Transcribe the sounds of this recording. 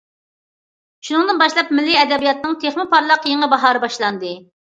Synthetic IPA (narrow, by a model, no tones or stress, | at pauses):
ʃunɨŋd̪ɨnbɑʃlˠɑpmɪlːiɛd̪ɛbijɑt̪̚nɨŋt̪ʰeχmɪpɑɾlˠəqjeŋɨbɑɦɑːɾɨbɑʃlˠɑnd̪ɨ